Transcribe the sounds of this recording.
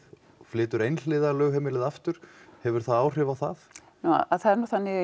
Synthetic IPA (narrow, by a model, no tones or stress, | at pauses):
flɪːt̪ʏɾejnlɪːðalœːɣɦɛːmɪlɪðaft̪ʏɾ̥hɛvʏɾ̥θaðaːwr̥ɪːvaθað | nuwa̰aθaðɛɾnuθanːɪ